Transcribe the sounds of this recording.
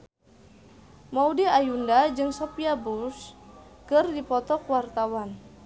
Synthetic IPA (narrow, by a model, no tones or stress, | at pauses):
maudiajundad͡ʒɨŋsɔpiabuskɨrdipɔt̪ɔkwart̪awan